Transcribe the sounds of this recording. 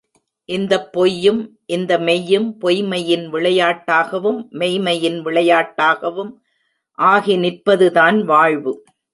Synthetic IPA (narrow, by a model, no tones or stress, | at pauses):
ʔɪnd̪ɐpːɔjːɯmʔɪnd̪ɐmɛjːɯmpɔjmɐjɪnʋɪɭɐjaːʈːaːɣɐʋɯmːɛjmɐjɪnʋɪɭɐjaːʈːaːɣɐʋɯm | ʔaːɣinɪrpɐðɯðaːnʋaːɻʋɯ